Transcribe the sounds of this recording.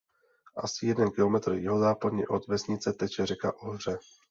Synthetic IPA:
ʔa̰sɪjɛdɛnkɪlo̞mɛt̪r̩jɪɦozaːpadɲɛ̰ʔot̪vɛsɲɪt͡sɛt̪ɛt͡ʃɛrɛkaʔoɦr̝ɛ

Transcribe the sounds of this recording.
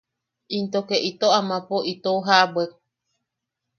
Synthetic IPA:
ʔint̪okeʔit̪oamãpoit̪ouɦaʔabwe

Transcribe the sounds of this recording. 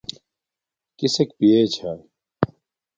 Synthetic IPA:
kisekpieːt͡ɕʰaː

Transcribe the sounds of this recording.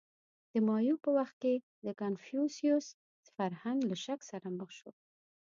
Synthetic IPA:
d̪̥əmɑjupəwaxt̪̚ke | d̪əkanfjusjus | faɾhaŋɡlaʃaksaɾaməxʃo

